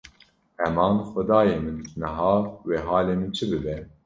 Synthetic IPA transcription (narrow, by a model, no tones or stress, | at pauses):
hɛmɑːnxʷɛd̪ɑːjeːmɨnːɨɦɑːweːɦɑːleːmɨnt͡ʃʰɨbɨbɛ